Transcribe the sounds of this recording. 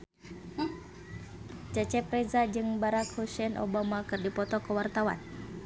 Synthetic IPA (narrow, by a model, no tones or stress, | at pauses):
t͡ʃət͡ʃɛpɾɛzad͡ʒɨŋbaɾakhosɛnʔo̰bamakɨrdipɔt̪ɔkəwart̪awa̰n